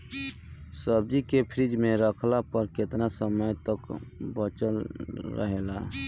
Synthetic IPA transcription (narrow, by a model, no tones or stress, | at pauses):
səb̚d͡ʒikepʰɾid͡ʒmẽɾəkʰlapəɾket̪nasəməjt̪əkbət͡ʃəlɾə̰ɦela